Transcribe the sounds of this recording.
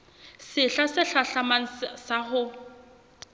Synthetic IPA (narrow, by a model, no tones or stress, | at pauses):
sɪɬasɪɬaɬaman̩saχʊ